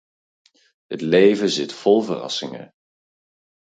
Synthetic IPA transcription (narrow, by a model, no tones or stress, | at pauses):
ɦətlejvəzɪtfɔlˠvərɑ̰sɪŋə̰